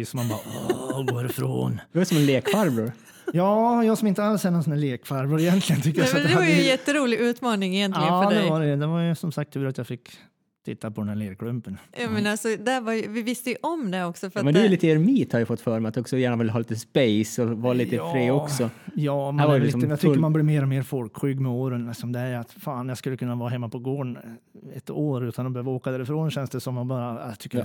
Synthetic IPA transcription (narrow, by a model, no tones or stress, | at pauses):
sɔmːanbɑ̰ːɡoːæɾɪfɾo̰ːnd̪ɛvasɔmɛnleːkfaɾbɾʊɾ | jɑːjɑːɡsɔmɪnt̪əalshɛːnɔnsɔnæːɭleːkfaɾbɾʊɾɪjɛnt̪ʰlɪɡənt̪ʰʏk̪ːəjasnd̪ɛvaɾjəjjɛt̪ːəɾuːlɪʔʉ̟ːt̪mɑːnɪŋɪjɛnt̪ɡəːɖd̪ɛvaɖɛjəd̪ɛvaɾjəsɔmsakt̪ʰːʉːɾat̪jafɪkː | t̪ʰɪt̪ːapʰɔd̪ɛnhæːɭeːɾkʰlɵmpənjɑːmɛnalsɔd̪ævajvɪvɪst̪əjʔɔmd̪ɛɔksɔfœɾmɛnd̪ɛjʉliːt̪əɛɾmiːt̪haɾjəfɔt̪ːfœːɾmɛat̪ɔksɔjæːɳavɪlːəɦɑːliːt̪əspɛjsɔvɑːliːəfɾeːɔksɔjɑːmahæɾvaɾj̪isɔmːəjat̪ʰʏmanbliːmeːɾɔmeːɾfɔlkɧʏːɡːmɛoːɾənlɪksɔmd̪ɛæɾat̪faːnjaskɵlːəkʰɵnːavɑːɾaɦɛmːapʰɔɡoːɳ | ɛt̪oːɾʉ̟ːt̪ʰanɔbɛhøːvaoːkad̪æːɾɪfɾoːnɕɛnsd̪ɛsɔmjanbɑːɾat̪ʰʏkːə